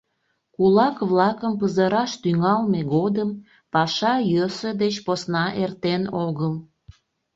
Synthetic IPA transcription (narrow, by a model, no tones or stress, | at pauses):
kulɑkβlɑkəmpəzəɾɑʃt̪yŋɑlmeɣod̪əm | pɑʃɑjøsəd̪et͡ɕposnɑʔert̪enoɣəl